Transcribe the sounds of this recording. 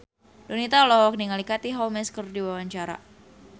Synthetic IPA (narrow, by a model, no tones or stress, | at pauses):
donit̪alɔhwɔk̚niŋalikat̪iɦawmɛskərdiwawaɲt͡ʃaɾa̰